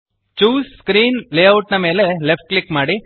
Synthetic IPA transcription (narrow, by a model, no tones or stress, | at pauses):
t͡ʃuːsskɾiːnleːɐwʈnɐme̞ːlelepʰʈ̚klikmaːɽi